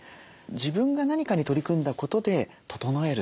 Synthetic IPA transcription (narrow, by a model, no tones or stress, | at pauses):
d͡ʑibɯ̟̃ŋɡanaɲ̟ikaɲ̟it̪o̞ɾʲikɯ̟̃nd̪ako̞t̪o̞d̪e̞ | t̪ʰo̞̥t̪o̞noe̞ɾɯ